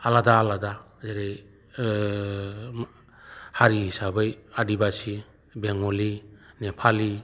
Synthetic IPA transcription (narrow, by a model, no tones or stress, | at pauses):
aladaːlada | zeɾej | haɾiɦisabɯjadibasi | beŋɔlinepʰali